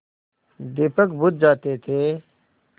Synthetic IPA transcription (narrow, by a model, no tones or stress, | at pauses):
d̪ɪpəkbʊd̪̚d͡ʒaːt̪et̪ʰeː